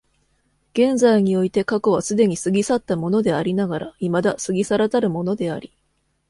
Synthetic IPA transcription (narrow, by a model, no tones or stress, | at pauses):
ɡ̥ẽ̞ñzaiɲ̟io̞it̪e̞kakoβ̞asɨd̪e̞ɲ̟isɨɡʲisat̪ːamo̞no̞d̪e̞aɾʲinaɡaɾaimad̪asɨɡʲisaɾat̪aɾɯ̟mo̞no̞d̪e̞aɾʲi